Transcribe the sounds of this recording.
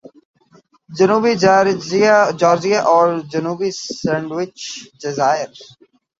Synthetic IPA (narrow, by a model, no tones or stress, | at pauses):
d͡ʒənuːbi | d͡ʒaːɾd͡ʒijaʔɔːɾd͡ʒənuːbisɛ̃ːɳɖʋɪt͡ʃɖɪzaːɪəɾ